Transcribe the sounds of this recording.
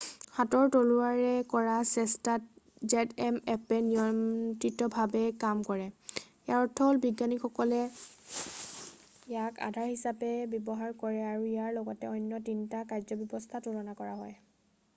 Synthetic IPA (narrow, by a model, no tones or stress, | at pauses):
hatɔɹtoluaɹɛkɔɹasɛstat̚ | zɛtɛmɛpɛnijɔmtɹitɔbʱabɛkamkɔɹɛ | jaɹɔtʰɔlbiɡanikxɔkɔlɛ | ijaka̰dʱaɹhisapɛbjɔbɔɦaɹkɔɹɛaɹuijaɹlɔɡɔtɛɔjnːjɔtintakajzɔbjɔbɔstʰatuɹɔnakɔɹaɦɔj